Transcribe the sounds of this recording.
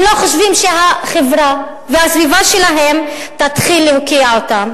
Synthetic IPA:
loχoʃvimʃeɦaχevɾa | vehasvivaʃelaɦe̞m | tat̪χilːehokiaotam

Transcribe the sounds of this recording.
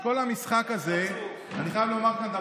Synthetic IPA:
ko̞lamisχakaze | aniχajavlomaʁkant̪a

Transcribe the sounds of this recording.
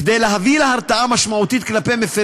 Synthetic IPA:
ked̪ejleɦavilehaʁt̪aʔamaʃmaut̪it̪̚klapejmefe

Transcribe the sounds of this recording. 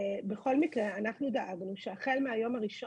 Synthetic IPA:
be̞χo̞lmikʁeanaχnud̪aʔaɡnuʃeaχe̞lmeajo̞maʁiʃo

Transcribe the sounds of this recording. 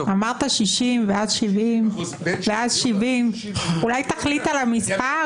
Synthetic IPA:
ʔamaʁt̪aʃiʃimvead̪ʃivim | vead̪ʃivim | ulajt̪aχlit̪alamispa

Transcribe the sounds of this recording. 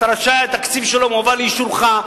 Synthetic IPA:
ɾaʃaat̪akt͡sifʃelomovaliʃuɾχa

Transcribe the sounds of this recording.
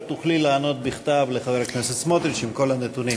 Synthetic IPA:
t̪uχlilaːno̞t̪̚biχt̪avleχave̞haknesetsmot̪ɾit͡ʃimko̞lhanet̪unim

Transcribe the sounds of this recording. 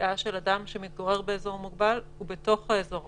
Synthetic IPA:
aʃe̞ladamʃemit̪̚ɡoʁe̞ʁbeezo̞ʁmuɡbalhube̞to̞χhaezo̞ʁ

